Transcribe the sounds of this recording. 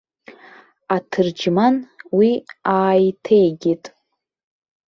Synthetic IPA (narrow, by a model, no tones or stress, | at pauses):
atʰɨrd͡ʒmanwiaːjtʰejɡʲetʼ